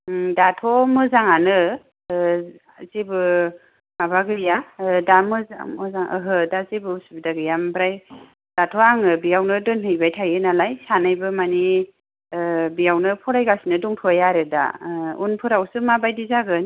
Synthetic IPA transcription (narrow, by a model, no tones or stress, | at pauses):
datʰɔmɯzaŋanɯ | azebɯ | maβaɡɯjadamɯza̰mɯzaŋʔə̰ɦɯdazebɯsbdaɡɯjambɾaj | d̥atʰɔaŋɯbijawnɯdɯnɦɯjbajtʰajɯnalajsanajbɯmani | bijawnɯpʰɔɾajɡasinɯdɔŋtʰɔjaɾɯda̰unpʰɯɾawsɯmabajdizaɡɯn